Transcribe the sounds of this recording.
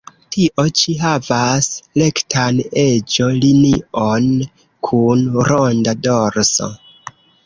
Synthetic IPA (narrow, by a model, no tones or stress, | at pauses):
tʰiʔo̞t͡ʃiɦavasle̞ktʰane̞d͡ʒolinion | kʰunɾondadoɾso̰